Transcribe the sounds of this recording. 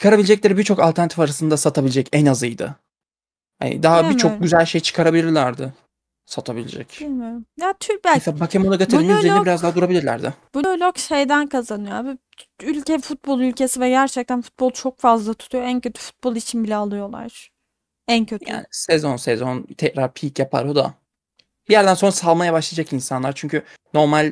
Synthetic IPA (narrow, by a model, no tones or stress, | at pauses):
t͡ʃʰɯ̥kʰaɾabilʲed͡ʒɛc̬̚lʲeɾibiɾt͡ʃʰo̞kalʲt̪ʰæɾnat̪ifaɾasɯnd̪asat̪ʰabilʲed͡ʒɛcɛnazɯjd̪ɯ̰ | ha̰nɪ̰d̪aɦabit͡ʃʰo̞ɟyzælʲʃe̞jt͡ʃʰɯ̥kʰaɾabilʲiɾlʲæɾd̪ɪ | sat̪ʰabilʲḛd͡ʒɛ̰cimɪjat̪ʰyɾb̪abakʰemoaɡat̪ʰiɾinyzeinbiɾazd̪aɦad̪uɾabilʲiɾlʲæ̰ɾd̪ɪbunølʲokʃe̞jd̪ænkʰazanɯjoabi | ylʲcɛfut̪̚bo̞lˠylʲce̞sivɛɟæɾt͡ʃʰɛc̚t̪ʰænfu̥t̪̚bo̞lˠt͡ʃʰo̞k̚fazlˠat̪ʰu̥t̪ʰujo̞æncʰøt̪ʰy̥fu̥t̪̚bolˠit͡ʃʰinbilʲɛalˠɯjo̞lˠa̰ɾ̥ | æncʰøt̪ʰa̰ːnsezo̞nsɛzont̪ʰɛcɾaɾpʰiːcjapʰa̰ɾo̞d̪a̰ | b̥ijæɾd̪ænso̞nɾasalˠmajabaʃlˠiad͡ʒakinsanlˠaɾt͡ʃʰyɲcʰy | no̞ɾmalʲ